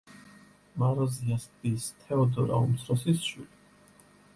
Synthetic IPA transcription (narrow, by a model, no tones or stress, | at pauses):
maɾɔziast̪ist̪ʰɛɔd̪ɔ̰ɾa̰ṵmt̪sʰɾɔsisʃili